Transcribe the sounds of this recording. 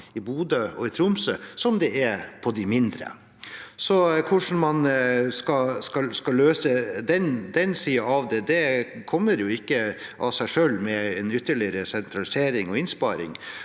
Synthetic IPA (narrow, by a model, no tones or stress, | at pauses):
ɪbuːd̪əɔ̰ɪt̪ʰɾʊmsəsɔmd̪ɛɛɾpʰɔd̪ɪmɪnd̪ɾə̰ | sɔkʰʊʂn̩mɑnskɑskɑlskɑløːsəd̪ɛnd̪ɛnsiːɑɑʋd̪ɛd̪ɛkʰɔmːəɾjʊɪkːəʔɑsæɪʂøːlmɛɛnʏt̪ːəɭɪɾəsɛnt̪ʰɾɑlɪseːɾɪŋɔɪnspɑːɾɪ̰ŋ